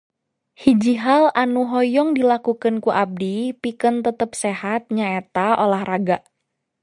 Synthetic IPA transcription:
hid͡ʒiɦalanuɦɔjɔŋdilakukənkuʔab̚dipikənt̪ət̪əp̚seɦat̪̚ɲaet̪aʔolahraɡaʔ

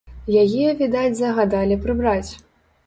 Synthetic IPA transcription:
jajiɐvʲid̪ad͡zʲzɐɣad̪alʲipɾɨbɾat͡sʲ

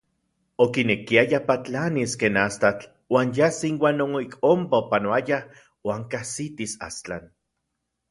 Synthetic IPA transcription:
okinekiajapat͡ɬaniskeːnast̪at͡ɬ | waːnjasiŋwaːnoŋikompaopanoaja | waːŋkasit̪isa̰st͡ɬa̰n

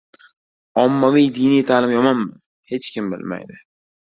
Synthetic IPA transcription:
ɒmːavijd̪ijnijt̪ʰaːlɪmjɒmɒnmɪn | he̞t͡ʃkʲɪmbɪ̰lma̰jd̪ɪ

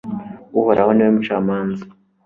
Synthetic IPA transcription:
uhoɾʔahonewemut͡ʃamaːnzi

